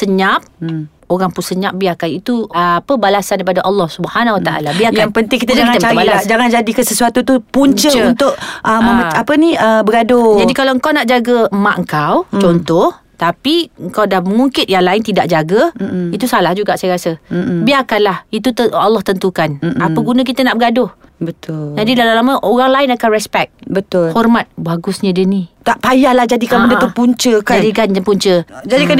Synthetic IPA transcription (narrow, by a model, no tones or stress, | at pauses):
səɲap̚ | oɣaŋpunsəɲãp̚biakanit̪uəapəbalasandaipadaʔɑlːɔhsubəhanawat̪aʔa̰labiajkaŋpənt̪ɪŋkit̪aakŋaabalad͡ʒaŋand͡ʒadikəsəsuat̪ut̪upuɲt͡ʃəunt̪ʊʔ̚ʔəməməapəniəbəɡadod͡ʒadikalaəŋ̩kawnaʔd͡ʒaɡəmaʔəŋ̩kawt͡ʃɔnt̪ɔh | t̪apiəŋkawdahməŋuŋkɪt̪̚jaŋlaɪnt̪idaʔ̚d͡ʒaɡəit̪usalahd͡ʒuɡaʔsajəɾasəbiakanlahit̪ut̪əalːɔht̪ənt̪ukanaəɡunə̃k̬it̪ənaʔbəɡadʊhbət̪ʊld͡ʒadidalalaməʔoɣaŋlaɪnakanrɛspɛk̪̚bət̪ʊlhɔrmat̪̚baɡʊsɲə̃dənit̪aʔpajahlahd͡ʒadikaməndət̪upuɲt͡ʃəkad͡ʒadikanpuɲt͡ʃəd͡ʒadikan